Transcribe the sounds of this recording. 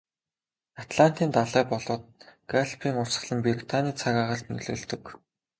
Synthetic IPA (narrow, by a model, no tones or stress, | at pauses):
at̪ɮan̥t̪iːnt̪aɮæːpɔɮʊːt̪̚ɡaɬpʰiːŋʊrsə̆ɮə̆mpirit̪ʰaniːt͡sʰaɣaːʁăɬt̪nɵ̰ɮɵ̰̆ːɮt̪ɵ̆k